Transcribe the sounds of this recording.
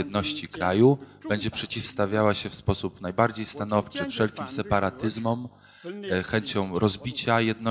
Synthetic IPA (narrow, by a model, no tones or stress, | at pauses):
ɛd̪nɔɕt͡ɕikɾajub̥ɛɲd͡ʑɛpʂɛt͡ɕifst̪avʲjawaɕɛfspɔsupnajbaɾd͡ʑejst̪anɔft͡ʂɘfʂɛlkʲimsɛpaɾat̪ɘzmɔm | xɛɲt͡ɕɔ̃w̃ɾɔzbʲit͡ɕajɛd̪nɔ